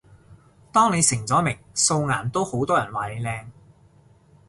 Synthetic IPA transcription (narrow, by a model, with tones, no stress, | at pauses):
t̪ɔː˥ŋne˨˧jsɪ˨˩ŋt͡sɔː˨˥mɪ˨˩ŋso˧wŋa̰ː˨˩nt̪o˥who˨˥wt̪ɔː˥jɐ˨˩nwaː˨˩ne˨˧jlɛː˧ŋ